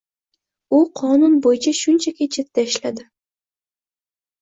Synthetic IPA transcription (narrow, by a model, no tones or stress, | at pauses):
uqʰɒnʊnbojɪt͡ʃʰaʃʊnt͡ʃʰakʲet͡ʃʰet̪ːaɪʃlad̪ɪ